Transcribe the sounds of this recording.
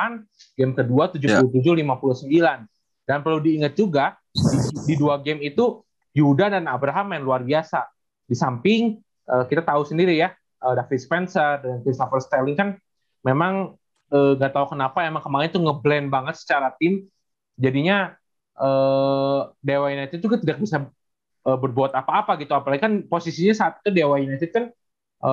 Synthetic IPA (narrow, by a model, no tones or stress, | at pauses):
an | ɡɛmkəduat̪ud͡ʒupulut̪̬ud͡ʒʊhlimapuluhsəmbilan | danpərludiːŋət̪̚d͡ʒuɡa | ididuaɡɛmit̪u | judadanabɾaɦamːajanluarbiasa | disampɪŋ | ʔəːkit̪at̪ausəndiɾija | ʔədafit̪spɛnsərdəŋankɾist̪ofərst̪alɪŋkan | memaŋ | əːŋɡat̪aukənapaemaŋkəmaɾɪnt̪uŋəblɛnbaŋət̪̚sə̥t͡ʃaɾat̪ɪm | d͡ʒadiɲa | ʔəː | dewainajt̪ɪd̪̚d͡ʒuɡat̪idak̚bisa | ʔəːbərbuat̪apaːpaɡit̪uapalaɡikanposisiɲasaat̪̚i̥t̪udewajinajt̪ɪdt̪̚kan | ʔə